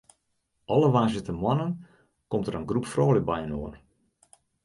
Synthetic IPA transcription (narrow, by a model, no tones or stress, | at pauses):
ʔɔləʋaːzɪtəmwɔnən | kɔmtəɾənɡrupfroːlək̚bɛjənoən